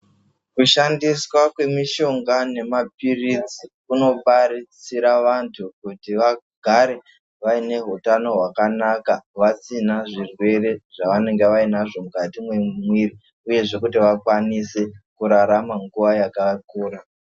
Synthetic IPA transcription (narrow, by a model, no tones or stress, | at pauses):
kuʃandiswakwe̞miʃo̞ŋɡane̞map̚irit͡sikuno̞paɾit͡siɾaʋantʰukutiʋa | ɡʱaɾe̞ | ʋaine̞ɦutano̞ɦwakanakaʋat͡sinaʐirwe̞re̞ʐaʋane̞ŋɡe̞ʋainaʐo̞mukatimwe̞mwiri | uje̞ʐe̞kutiʋakwanise̞kuɾaɾamaŋɡuʋajakakuːɾa